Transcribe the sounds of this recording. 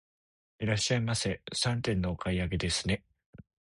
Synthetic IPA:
iɾaɕːaimasesãnt̪ẽ̞nːo̞ːkʰaiaɡe̞d̪e̞sɨne̞

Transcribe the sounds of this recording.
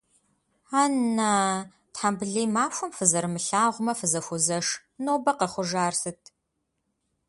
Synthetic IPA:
aːnːaː | tħambɨɮiːmaːɕʷʊmfɨzɐɾmɨɬaːʁʷʊmɐfɨzɐxʷʊzɐʂ | noːbɐqɐχʷʊʒaːrsɨtʰ

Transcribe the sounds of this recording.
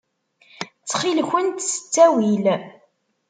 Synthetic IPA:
t͡sːχilçʷənt̪sə̥t͡sːæwil

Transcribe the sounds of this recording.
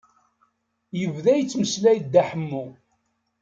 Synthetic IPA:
jəvðæjət͡sːməslæjd̪ːæħəmːu

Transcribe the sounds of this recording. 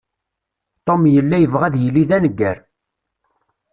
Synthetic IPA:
t̪ˤomjəlːæjəvʁæðjəlːiðænəɡːæɾ

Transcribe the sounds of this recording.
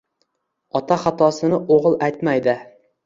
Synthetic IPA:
ɒt̪ʰaχat̪ʰɒsɪnɪʔoʁɨlˠajt̪majd̪ɪ

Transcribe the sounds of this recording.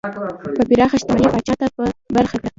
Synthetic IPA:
pəpiɾɑxaʃt̪ɪmɑnipɑt͡ʃɑt̪apəbaɾxakɽa

